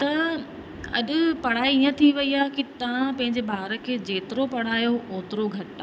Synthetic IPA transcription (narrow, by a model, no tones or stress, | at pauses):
t̪ɐ | ɐ̰ɗʊ̆pɐɽ̤aːiiːə̃t̪ʰiʋɐiaːɦkit̪ɐʋãpɐ̃ɦɪ̃ɲd͡ʑebʱaːɦɾə̆kʰeːd͡ʑeːt̪ɪɾopɐɽ̤aːjoʔoːt̪ɪɾoɡʱɐʈa